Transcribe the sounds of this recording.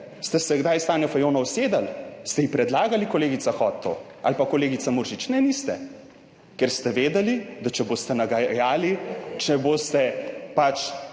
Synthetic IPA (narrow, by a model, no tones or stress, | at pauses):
st̪ɛsɛɡd̪ajst̪aːnjɔfajoːnɔwseːd̪alst̪ɛjipɾɛd̪laːɡalikɔleːɡit̪saxɔt̪ːo̰ʔalpakɔleːɡit̪samuɾʒit͡ʃnɛnist̪ɛ̰ | kɛɾst̪ɛʋeːd̪ɛlid̪at͡ʃɛboːst̪ɛnaɡajaːlit͡ʃɛbost̪ɛpat͡ʃ